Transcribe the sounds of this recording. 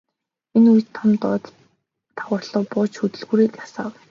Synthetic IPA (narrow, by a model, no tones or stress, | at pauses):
enujt̪ʰːɔmt̪ɔːt̪ʰː | aʁʊːrɮə̆ːpʊːt͡ɕxɵt̪ɵ̆ɮɣuːɾiːkjasaːw